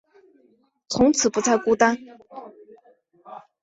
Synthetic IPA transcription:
t͡sʰʊ˧˥ŋt͡sʰɹ̩˨˩pu˧˥t͡sʰa˥˧ɪku˥t̪a˥n

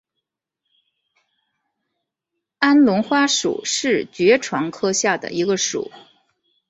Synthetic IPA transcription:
a˥nlʊ˧˥ŋxwa˥ʂṵ˨˩˦ʂɻ̩˥˩t͡ɕɥɛ˧˥ʈ͡ʂʰwɑ˧˥ŋkʰɤ˥ɕja˥˩d̪ə̰˩i˧˥ɡə˧ʂṵ˨˩˦

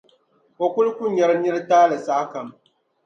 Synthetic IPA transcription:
ko˨kʊ˦lkʷʊ˦ɲ˨jɛ˦ɾnɪ˦ɾtaː˦lɨ˨saː˦ka˨m

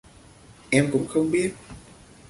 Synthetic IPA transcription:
ʔɛ˧mkʊ̰˧˥ŋ͡mxə˧wŋ͡mɓi˦˥ət̚

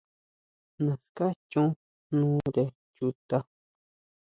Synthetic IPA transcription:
nã˨ska˦t͡ʃũ˦ | nũː˦ɾe˨ | ju˧t̪a˧

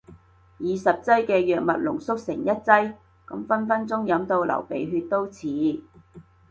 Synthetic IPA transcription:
jiː˨sɐ˨p̚t͡sɐ˥jkɛː˧jœː˨k̚mɐ˨t̚lʊ̰˨˩ŋsʊ˥k̚sɪ˨˩ŋjɐ˥t̚t͡sɐ˥j | kɐ˨˥mfɐ˥nfɐ˥nt͡sʊ˥ŋjɐ˨˧˥mt̪o˧wlɐ̰˨˩wpe˨jɦyː˧t̚t̪o˥wt͡sʰiː˨˥

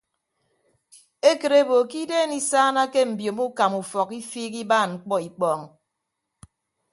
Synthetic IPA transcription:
e˦kɨ˨ɾe˦bo˨ki˦deː˦˨ni˦saː˦na˦ke˦m̩˨bjo˨mu˦ka˨mu˨fɔ˨ki˦fiː˦k̬i˦baː˦˨nŋ͡m̩˨k͡pɔ˦i˨k͡pɔː˦˨ŋ˨

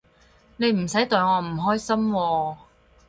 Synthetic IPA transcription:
ne˨˧jm̩˨˩sɐ˨˥jt̪ɵ˨˧ɥŋɔː˨˧m̩˨˩ɦɔː˥jsɐ˥mwɔː˧

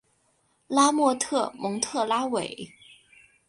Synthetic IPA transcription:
la˥mwɔ˥˧t̪ʰɤ˥˩mɤ˧˥ŋt̪ʰɤ˥˩la˥we˨˩˦ɪ

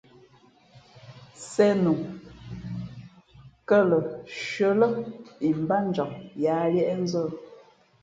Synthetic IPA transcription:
sɛ˦nu˨ŋ | kə˦˨lə˨ʃə˦lə˦i˨m˨ba˦n˦d͡ʒa˨ʔ̚jaː˨˦lɛ˦ʔɛ˦n̩˦zə˦˨

